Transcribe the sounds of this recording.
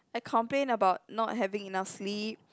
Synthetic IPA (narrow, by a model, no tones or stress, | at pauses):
aɪkʰɔ̃mplẽnəbaʊt̚nɔt̚ɦɛvĩŋinafslip̚